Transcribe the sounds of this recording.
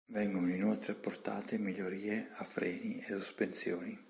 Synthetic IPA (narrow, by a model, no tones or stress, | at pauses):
vɛŋɡonoinolt̪ɾeapːort̪a̰ːt̪emiʎːoɾiːeafɾɛːniesospensjoːni